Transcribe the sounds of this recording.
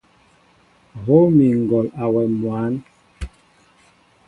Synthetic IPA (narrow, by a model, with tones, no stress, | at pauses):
ɣo˦mi˨ŋ˨ɡɔ˨la˨wɛ˨mwa˨˦n